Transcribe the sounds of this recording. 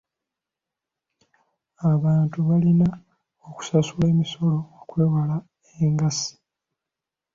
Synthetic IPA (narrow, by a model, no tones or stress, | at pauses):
aβaːntuβalina | oku̥sasule̞ːmiso̞lo̞okwe̞ːwala | eŋɡasi̥